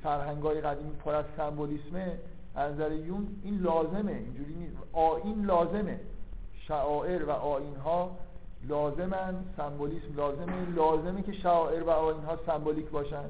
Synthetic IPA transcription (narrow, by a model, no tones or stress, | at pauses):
fæɾɦæŋɡɒːjeɣæd̪iːmiːpʰoɾæzsæmboliːsme̥ | ænzæɾejuːniːnlɒːze̞me̞ind͡ʒuːɾiːniːsʔɒːʔiːnlɒːze̞me̞ʃæʔɒːʔe̞ɾvæʔɒːinɦɒː | lɒːze̞mænd̪sæmboliːsmlɒːze̞melɒːze̞mecʰe̞ʃæɒːʔe̞ɾvæɒːiːnɦɒːsæmboliːcʰbɒːʃænd̪̥